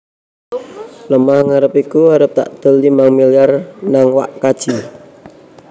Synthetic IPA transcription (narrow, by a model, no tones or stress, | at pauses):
ləmahŋaɾəpikuaɾəp̚t̪a̰ʔd̪̥ə̤lːimaŋmiljarnaŋwa̰ʔkad̥ʒ̥i